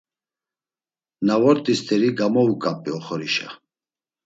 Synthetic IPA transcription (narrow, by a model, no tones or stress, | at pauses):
navɔɾt̪ʼist̪ʰɛɾiɡamɔukʼapʼiɔχɔɾiʃa̰